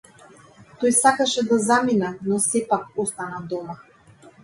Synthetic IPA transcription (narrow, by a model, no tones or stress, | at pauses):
t̪ojsakaʃɛd̪azaminanɔsɛpakɔst̪anad̪ɔma